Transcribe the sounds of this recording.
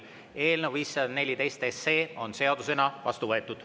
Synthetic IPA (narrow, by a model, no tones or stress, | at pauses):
e̞ːlneviːsːɑd̪ne̞lʲid̪e̞jst̪eseːo̞nse̞ɑd̪̥use̞nɑvɑ̰st̪uvɤe̞t̪ːˑud̪̥